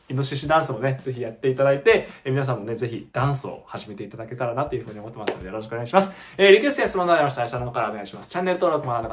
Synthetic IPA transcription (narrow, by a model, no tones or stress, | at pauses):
inoɕiɕid̪ãɰ̃sɨmo̞ne̞ze̞çijat̪ːe̞it̪ad̪ait̪e̞emʲinas̬ãmːo̞ne̞ze̞çid̪̥ãɰ̃sɨo̰haʑime̞t̪e̞it̪ad̪ake̞t̪aɾanat̪ːojɯ̟ɸɯ̟ːɲio̞mo̞t̪ːemasɨnd̪ejoɾo̞ɕ̬i̥koneɡaiɕimasɨ̥ | eːɾʲikesɨẽsmonaimaɕ̬it̪aɕiananokaɾaoneɡaiɕimasɨ̥t͡ɕãnːe̞ɾɯt̪oɾokɯ̟moaɾanːo